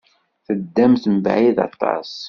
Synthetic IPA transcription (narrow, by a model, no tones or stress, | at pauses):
θəd̪ːæmθəmbʕiðɑ̰t̪ˤːɑ̰sˤ